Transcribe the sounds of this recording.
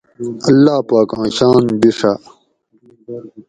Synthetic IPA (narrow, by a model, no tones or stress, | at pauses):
ɐlːaːpaːkãːɕaːnbiʂa